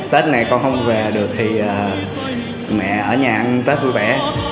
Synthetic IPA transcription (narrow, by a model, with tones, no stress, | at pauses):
t̪e˦˥t̚na˨˩jkɔ˧nhə˧wŋ͡mve˨˩ɗɨ˨˩ək̚t̪ʰi˨˩ʔəː˨˩ | mɛ̰˧˨ʔəː˧˩ɲaː˨˩ʔa˧nt̪eː˦˥t̚vu˧vɓɛ˧˩